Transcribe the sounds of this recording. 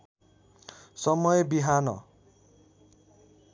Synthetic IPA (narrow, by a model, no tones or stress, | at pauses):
sʌmʌjebiɦanʌ̰